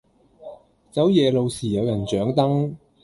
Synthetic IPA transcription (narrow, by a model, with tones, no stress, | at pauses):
t͡sɐ˨˥wjɛː˨˧lo˨˧wsiː˨˩jɐ˨˧wjɐ˨˩nt͡ʃœː˨˥ŋt̪ɐ˥ŋ